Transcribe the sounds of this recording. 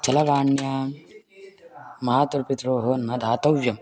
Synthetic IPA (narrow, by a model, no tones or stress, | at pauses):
t͡ʃɐlɐʋaːɳjaː | mɐɦaːt̪uɾpit̪ɾoːɦoːnmɐd̪ʱaːt̪ɐʋjɐm